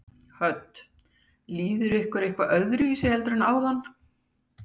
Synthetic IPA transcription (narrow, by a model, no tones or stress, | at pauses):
hœt̪ː | liːðʏɾɪhkvaɾehkvaʔœðɾʏiːsɛhɛlt̪ɾʏnaːwðanː